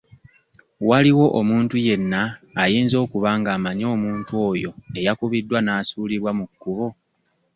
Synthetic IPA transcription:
waliwo̞ʔomuːntuje̞nːaːjiːnzo̞ːkuβaːŋɡaːmaɲo̞ːmuːntuo̞ːjo̞e̞jakuβidːwanaːsuːliβwamukːuβo̞

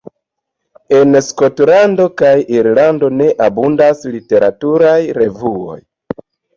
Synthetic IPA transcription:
e̞nsko̞tlando̞kajiɾlando̞ne̞ʔabundaslite̞ɾatuɾajɾe̞vuo̞̰j

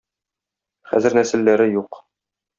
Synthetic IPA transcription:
χæ̰zɘ̆ɾnæsɘ̆lːæɾɘjuq

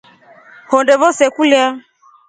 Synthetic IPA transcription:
hɔndɛvɔsɛkulja

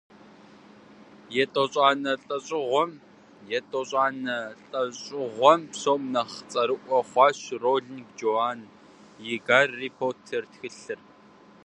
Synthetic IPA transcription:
jɛtʼɔɕʼaːnɐɬʼɐɕʼɪʁʷɔm | jɛtʼɔɕʼɑːnɐɬʼɐɕʼɪʁʷɔmpsoːmnɐχt͡sʼɐɾɨʔʷɔχʷɑːɕroːɮnɡd͡ʒoaːn | jɪɡaːrːiːpʰoːrtʰertxɨɬɨr

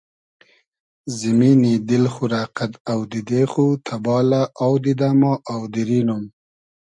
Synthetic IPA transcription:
zɪminid̪ɪlxʊɾaːqat̪awd̪id̪eːxut̪ʰabɑːlaawd̪id̪amɑʔawd̪iɾinum

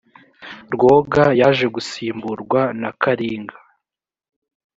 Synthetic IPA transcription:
ɾɡo̞ɡajaʒe̞ɡusiːmbuɾɡwanakʰaɾiːŋɡa

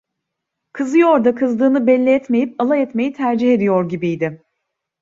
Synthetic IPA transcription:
kʰɯzɯjo̞ɾd̪akʰɯzd̪ɯːnɯbɛlʲːiɛt̪me̞jipalˠaɛt̪me̞jit̪ʰæɾd͡ʒihe̞d̪ijo̞ɾɟibijd̪ɪ

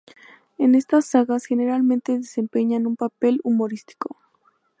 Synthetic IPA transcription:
e̞ne̞st̪asːaɣasxe̞ne̞ɾalmẽ̞nt̪e̞ðese̞mpe̞ɲanumpape̞lumo̞ɾist̪i̥ko

